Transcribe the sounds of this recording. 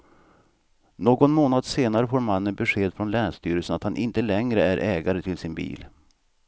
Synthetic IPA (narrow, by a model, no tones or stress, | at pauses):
noːɡɔnmoːnad̪seːnaɾəfoːɾmanːənbɛɧeːd̪fɾɔnlæːɳʂt̪yːɾəsənat̪hanʔɪnt̪əlɛŋɾəæɾʔɛːɡaɾət̪ʰɪlsɪnbḭːl